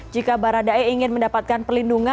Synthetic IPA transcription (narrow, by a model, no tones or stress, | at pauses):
d͡ʒikabaɾadaeiŋɪnməndapat̪̚kanpərlinduŋa